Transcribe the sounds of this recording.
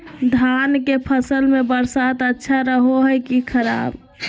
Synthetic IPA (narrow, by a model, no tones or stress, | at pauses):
d̪ʱankepʰəsəlmebəɾsat̪ətːʃʰaɾəɦoɦɛkikʰəɾa̰b